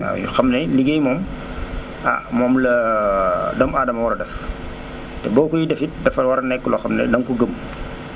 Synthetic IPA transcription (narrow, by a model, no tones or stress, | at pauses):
a̰jṵxɐmnɛliɡɛjmɔːm | a̰mɔːmlɐ | dɐmaːdɐmɐwɐɾɐdɛf | tɛbɔːkujidɛfit̚dɛfɐlwɐɾɐnɛkːəlɔxɐmnɛ̰dɐŋkuɡəm